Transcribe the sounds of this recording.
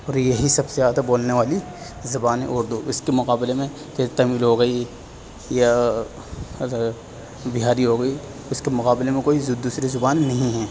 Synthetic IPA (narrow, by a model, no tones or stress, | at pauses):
ɔːɾjeɦisɐbsezaːd̪aboːlneʋaːli | zɐbaːnḛʔʊɾd̪uʔɪskemʊqaːblemẽ | ket̪ɐmiːlɦoːɡɐi | ja | bɪɦaːɾiɦoːɡɐi | ʊskemʊqaːblemẽkoːizd̪uːsɾizʊbaːnːɐɦĩɦɛː